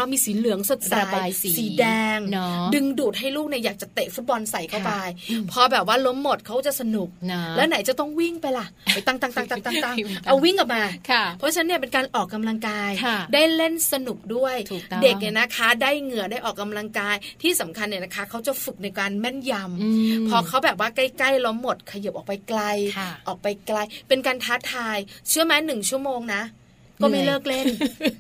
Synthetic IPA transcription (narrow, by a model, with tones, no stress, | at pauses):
a˧miː˧siː˩˦lɯ˨˩˦əŋso˨˩t̪̚saː˨˧˩jsiː˨˦dɛː˧ŋdɯ˧ŋduː˨˩t̪̚ɦa˥˩jluː˥˩k̚ni˥˩jaː˨˩k̚t͡ɕa˨˩t̪eː˨˩k̚fu˦˥t̪̚bɔ˧nsa˨˩jkʰa˥˩pa˧jpʰɔ˧bɛː˨˩p̬̚waː˥˩lo˦˥mːo˨˩t̪̚kʰa˦˥wt͡ɕa˨˩sa˧nu˨˩k̚lɛː˦˥na˩˦jt͡ɕa˨˩t̪ɔ˥˩ŋwi˥˩ŋpa˧jla˨˩ʔt̪a˧˩ŋt̪a˧ŋt̪a˧˩t̪a˧˩ŋt̪a˧˩ŋt̪a˧ŋʔʔa˧wwi˥˩ŋka˨˩p̚maː˧kʰpʰɔ˦˥t͡ɕʰa˦˥nːi˥˩ɐpe˧nkaː˧nʔɔː˨˩kːa˧mla˧ŋkaː˧jʰdaː˥˩jle˥˩nsa˧nu˨˩p̚du˥˩əjt̪ʰːde˨˩ni˧˩na˦˥kʰa˦˥daː˥˩jŋɯ˨˩ədaː˥˩jʔɔː˨˩kːa˧mla˧ŋkaː˧jt̪ʰiː˥˩sa˩˦mkʰa˧nːi˧˩əna˦˥kʰa˦˥kʰa˦˥wt͡ɕa˨˩fɯ˨˩k̚na˧jkaː˧nmɛ˥˩nja˧mpʰɔː˧kʰa˦˥wbɛː˨˩p̚waː˥˩kla˥˩jkla˥˩jlo˦˥mːo˨˩t̪̚kʰa˧ja˨˩p̚ʔɔː˨˩k̚pa˧jkla˧jʔɔː˨˩k̚pa˧jkla˧jpe˧nkaː˧nt̪ʰaː˦˥t̪ʰaː˧jt͡ɕʰɯ˦˥əmaː˦˥nɯ˨˩ŋt͡ɕʰu˥˩əmoː˧ŋna˦˥ | kɔː˥˩ma˥˩jlɤː˥˩k̚le˥˩n